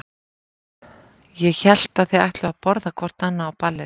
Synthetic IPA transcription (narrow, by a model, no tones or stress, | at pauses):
jɛçɛl̥t̪aðθiaht̪lɪvapɔɾðakʰvɔr̥t̪anːaːwpalːɪ